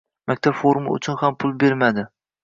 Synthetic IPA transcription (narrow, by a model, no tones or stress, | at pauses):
mʔakʲt̪ʰapfoɾma̰ʊ̰t͡ʃʰʊnhampʰʊlˠbe̞ɾmad̪ɪ